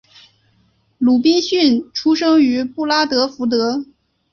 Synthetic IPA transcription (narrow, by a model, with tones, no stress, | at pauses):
lu˨˩pi˥nɕy˥˩nʈ͡ʂʰu˥ʂɤ˥ŋy˧˥pu˥˩la˥t̪ɤ˧˥fu˧˥t̪̬ɤ˧˥